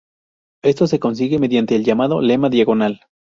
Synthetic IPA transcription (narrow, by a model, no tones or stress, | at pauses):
e̞st̪o̞se̞ko̞ns̬iɣe̞me̞ðjant̪e̞ːlʝamaðo̞̰le̞maðjaɣo̞nal